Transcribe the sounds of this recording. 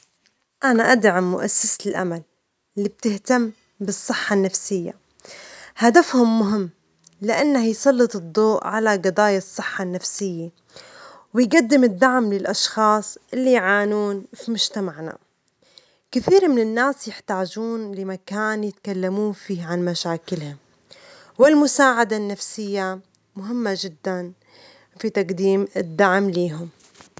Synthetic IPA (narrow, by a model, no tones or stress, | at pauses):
ʔanaʔad̪ʕamːʊ̰ʔasːasɪlʔa̰mal | lːiːb̚t̪ɪht̪amː | bɨsˤːɨħːanːafsɪjːa̰ | had̪afhʊmːʊɦɪmː | lɪʔanːahjsˤɑlːɨt̪ˤɨd̪ˤːoːʔʕalaɡɨd̪ˤɑːjasˤːɨħːanːafsɪjːa | wɪjɡad̪ːɪmɪd̪ːaʕmlɪlʔɑʃxɑːsˤʔɪlːijʕaːnuːnfimʊʒt̪amaʕna̰ | kɪθiːɾmɪnɪnːaːsjɪħt̪aːd͡ʒuːnlɪmakaːnjɪt̪kalːamuːnfiːʕanmaʃaːkɪlhʊm | wɪlmʊsaːʕad̪anːafsɪjːa | mʊɦɪmːaʒɪd̪ːan | fit̪aqd̪iːmɪd̪ːaʕmliːɦʊm